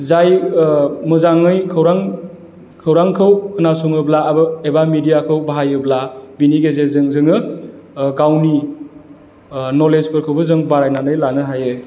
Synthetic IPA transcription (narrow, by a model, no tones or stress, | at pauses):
zaj | mɯzaŋɯjkʰɯwɾaŋ | kʰɯwɾaŋkʰɯwkʰɯnasuŋɯblaːbɯebamidijakʰɯwbaɦajɯblabiniɡezezɯŋzɯŋɯ | ɡawni | nɔlezpʰɯɾkʰɯwbɯzɯŋbaɾajnanɯjlanɯɦajɯ